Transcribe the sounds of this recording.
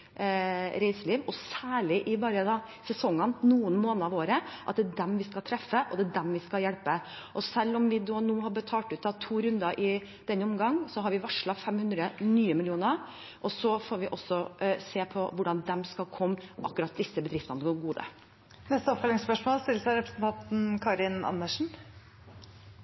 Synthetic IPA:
ɾeɪsəɭiːʋɔsæːɭɪʔɪbɑːɾəd̪ɑ | sɛsɔŋːənnuːənmoːnəɾɑʋoːɾəʔɑt̪̚d̪æɖ̪ɛmʋɪskɑlt̪ʰɾɛfːəʔɔd̪æːdɛmʋɪskɑljɛɽpə | ʔɔsɛlːɔmʋɪd̪oːnuːɦɑɾbət̪ʰɑːlʈʉːt̪ɑʋt̪ʰuːɾʉnd̪ɑʔɪ | d̪̥ɛnːəɔmɡɑŋːsɔɦɑɾʋɪʋɑʂɭɑfɛmhʉnd̪ɾənyːəmɪlɪuːnəɾ | ʔɔsɔfoːɾʋɪʔɔsːɔseːpʰɔʋʊɖɑnd̪ɛmskɑlkʰɔmːʔɑ̰kːʉɾɑt̪̚d̪ɪsːəbəd̪ɾɪft̪ɑnəɡoɡuːd̪ə̰ | nɛst̪əɔpfœlɪŋspœʂmoːlst̪ɪlːəsæɪɾɛpɾəsən̩t̪ʰɑnt̪n̩kʰɑɾɪnɑ̰nːəʂɳ̩

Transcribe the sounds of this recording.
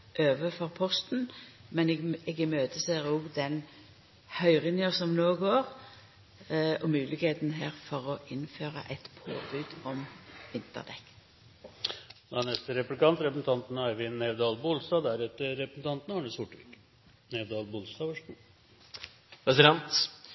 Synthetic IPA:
ʔøːʋəfɔʁpʰɔst̪n̩mɛnɛɡɛɡɪmøːt̪əseːʁoːɡd̪ɛn | hœʏʁɪnjəsɔmnoːɡoːʁ | ɔmʉːlɪɡheːt̪nɦæːʁfɔʁɔʔɪnføːʁə̰ʔɛɪt̪pʰo̰ːbʉːd̪ɔmʋɪnt̪ə̰ʁd̪ɛ̰k̪ː | d̪ænɛst̪əɾɛplɪkɑnt̪ɾɛpəsn̩t̪ʰɑnt̪næʋɪnɛʋd̪ɑːlbʊlst̪ɑːd̪æɾɛt̪ːəɾɛpɾəsn̩t̪ɑnt̪nɑɳəsʊʈʋɪk | nɛʋd̪ɑːlbʊlst̪ɑːʋɑʂu | pʰɾɛsɪd̪ɛnt̪

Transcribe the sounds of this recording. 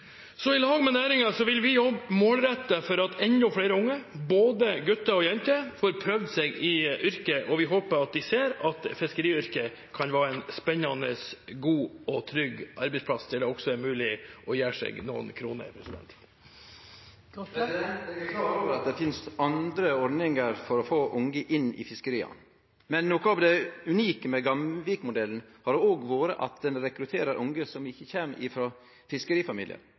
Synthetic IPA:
sɔɪlɑːɡmɛnæːɾɪŋɑsɔʋɪlʋɪjɔbːmoːlɾɛt̪ːəfɔɾɑt̪ʰɛnʊfɽeːɾəʊŋːəboːd̪əɡʉt̪ːəɔjɛnt̪əfoːɾpʰɾœʋd̪seːɡɪʔʏɾkəʔɔʋɪɦoːpəɾɑt̪̚d̪ɪseːɾɑt̪fɪskəɾiːʏɾkə | kʰɑnʋæːɾɛnspɛnɑnə̰sɡuːɔt̪ʰɾʏɡʔɑ̰ɾbɛɪspʰlɑst̪ʰɪld̪ɛɔksɔæɾmʉːlɪʔɔjæːʂɛ̰ːɡnṵːnkʰɾuːnə̰pʰɾɛsd̪ɛ̰nt̪ | ɛɛkʰlɑːt̪oːʋəɾɑt̪̚d̪ɛfɪnsɑnd̪ɾəɔɾd̪nɪŋəɾfɔɾɔfoːʔʊŋɡəʔɪnːɪ̰fɪskəɾiːɑ̰ | mɛnːoːkəɑʋd̪ɛʉniːkəmɛɡɑmʋikmʊd̪ɛln̩hɑɾɖɛoːɡʋoːɾə̰ʔɑ̰t̪̚d̪ɛnɾɛkɾʉt̪ʰeːɾəɾʔʊŋɡəsɔmɪçːəçeːmʔɪfɾo | fɪskəɾiːfɑmiːlɪə̰ɾ

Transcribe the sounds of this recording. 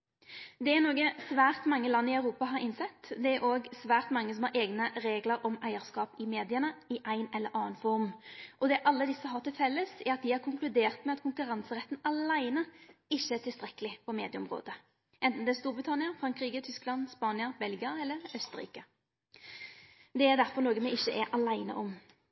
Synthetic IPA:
d̪ɛæʁnoːɡəsʋæːʁt̪mɑŋːəlɑnːɪœʉɾuːpɑɦɑɾɪnsɛt̪ːd̪ɛæɾʔoːɡsʋæːʁt̪mɑŋːəsɔmhɑɾʔeːɡnəɾeːɡləɾʔɔmæɪəɾskɑːpɪmeːd̪ɪənəɪʔæɪnɛlːəɾʔɑːnfɔɾmʔɔd̪ɛːʔɑlːəd̪ɪsːəɦɑʁt̪ɪlfɛlːəsɛɾɑt̪̚d̪ɪhɑɾkʰʊŋklʉd̪eːʁt̪mɛɑt̪kʰʊŋkʉʁɑnsəɾɛt̪ːn̩ɑlæɪnəɪʃːəæt̪ʰɪst̪ʁɛkːəlɪpʰɔmeːd̪ɪəʊ̰mʁo̰ːd̪ə | ʔɛnt̪n̩d̪ɛæst̪uːɾbʁɪt̪ʰɑnɪəfɾɑŋkɾiːɡət̪ʰʏsklɑnspɑːnɪəɾbɛlɡɪɑɛlːəɾœst̪əɾḭːkə | d̪ɛæʁd̪æʁfɔʁnoːɡənmɛɪçːəʔɛɾʔɑlæɪnə̰ʔɔm

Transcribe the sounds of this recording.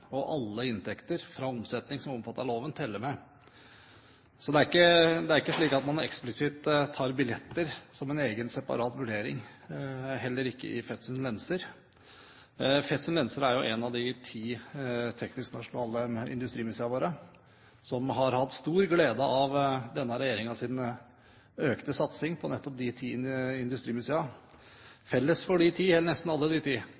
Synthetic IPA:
ɔʔɑlːəɪnt̪ʰɛkt̪əɾfɾɑɔmsɛt̪nɪŋsɔmɔmfɑt̪ːəɭoːʋənt̪ʰɪlːəmɛ | sɔd̪ɛæɾɪkːəd̪ɛæɾɪkːəʂɭiːkɑt̪mɑnɛksplɪsɪt̪ːt̪ʰːɑːɾbɪljɛt̪ːəɾsɔmɛneːɡənsɛpɑ̰ɾɑːt̪ʋʉɖeːɾɪ̰ŋ | ɦɛlːəɾɪkːə̰ʔɪfɛt̪sʉnlɛnsəɾ | fɛt̪sənlɛnsəɾæɾjʊʔɛnɑʋd̪ɪt̪ʰiːt̪ʰɛknɪsknɑʂʊnɑːləɪ̰nd̪ʉst̪ɾiːmʉseːɑʋoːɾə | sɔmɦɑɾhɑt̪ːst̪uːɾɡleːd̪əʔɑʋd̪ɛnːəɾɛjeːɾɪŋɑsɪn | øːkt̪əsɑt̪sɪŋpʰɔnɛt̪ːɔp̚d̪ɪt̪ʰiːɪnd̪ʉst̪ɾiːmʉseːɑ | fɛlːəsfɔɖɪt̪ʰiːhɛːləɳɛst̪n̩ɑlːəd̪ɪt̪ʰiː

